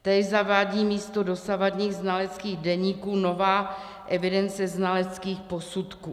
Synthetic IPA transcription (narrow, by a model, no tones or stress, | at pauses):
t̪ɛzavaːɟiːmiːst̪odo̞savadɲiːɣznalɛt͡skiːɣdɛɲiːkuːno̞vaː | ʔɛvɪdɛnt͡sɛznalɛt͡skiːxpo̞sut̪kuː